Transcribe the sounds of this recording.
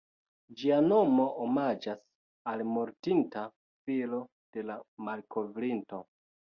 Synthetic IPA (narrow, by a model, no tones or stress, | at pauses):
d͡ʒiano̞mo̞ʔomad͡ʒas | almoɾtinta | filo̞ | d̥e̞lamalkʰo̞vɾinto̞